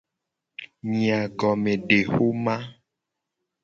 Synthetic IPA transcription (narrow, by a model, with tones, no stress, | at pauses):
mĩ˨a˨ɡɔ˨mẽ˨ɖe˨xo˦mã˦